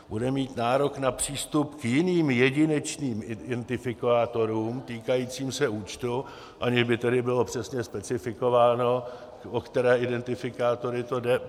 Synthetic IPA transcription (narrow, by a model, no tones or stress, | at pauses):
budɛmiːt̪naːɾo̞knapr̝̥iːst̪upkjɪniːmjɛɟɪnɛt͡ʃniːmɪɛnt̪ɪfɪkaːt̪o̞ɾuːmt̪iːkajiːt͡siːmsɛʔuːt͡ʃt̪u | ʔaɲɪʒbɪt̪ɛdɪbɪlo̞pr̥ɛsɲɛspɛt͡sɪfɪko̞vaːno̞ | okt̪ɛɾɛːʔɪdɛnt̪ɪfɪkaːt̪o̞ɾɪt̪o̞dɛ